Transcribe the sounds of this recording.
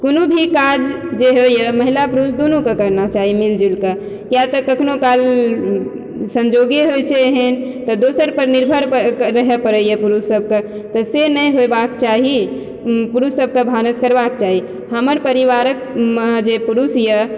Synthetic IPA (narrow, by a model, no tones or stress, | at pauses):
konobʱikad͡ʒ | d͡ʒeɦojəməɦilapuɾusd̪onukekəɾnat͡ʃaɦimild͡ʒilke | kjat̪əkəkʰnokal | sənd͡ʒoɡiɦojt͡ʃʰɛɦent̪ɔd̪osəɾpəɾniɾbʱəɾɾəɦepəɾəjəpuɾusːəb̚ke | t̪ɔsenəjɦobakt͡ʃaɦi | puɾusːəb̚kebʱanəskəɾbakt͡ʃaɦi | həməɾpəɾiʋaɾək̚məd͡ʒepuɾusjə